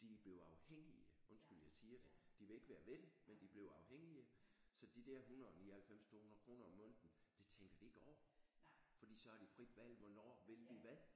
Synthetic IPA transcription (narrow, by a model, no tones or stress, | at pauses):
d̥ib̥le̝ʊɑ̈ʊheŋ̰iəɔ̽nsɡ̥yl̰jäɪsiːɐd̥e̝d̥iʋe̝le̝ɡ̥ʋæːɐʋed̥emend̥ib̥le̝ʊɑ̈ʊheŋ̰iə | sɒ̽d̥id̥æɐ̰ɦunɐɒniːɐhælfem̰st͡sʰo̝ːhunɐðˠkʰʁo̝ːnɐɒmːɔ̽n̰d̥n̩d̥e̝t͡sʰeŋɡ̥ɐd̥ie̝ɡ̥ɒʊ̰ɐ | fɒ̽d̥ḭːsɒ̽hæd̥ifʁid̥ʋæl̰ʋɒnɒ̰ːʋe̝lʋiʋæðˠ